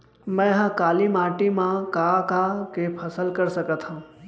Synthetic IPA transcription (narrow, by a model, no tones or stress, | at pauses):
mɛ̃ɦə̃kaːlimaːʈimãkakakepʰəsəlkəɾsəkət̪ʰɦã